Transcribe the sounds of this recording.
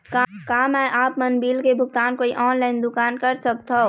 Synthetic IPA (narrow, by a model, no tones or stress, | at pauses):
kakamɛʔaːpmənbiːlkebʱʊk̚t̪aːnkoːiʔɔnlaːɪnd̪ʊkaːnkəɾsəkt̪ʰɔ